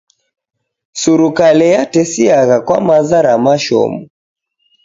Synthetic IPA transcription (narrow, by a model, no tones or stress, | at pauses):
suɾukalɛjatɛsiaɣakwa̰mazaɾamaʃɔ̰mu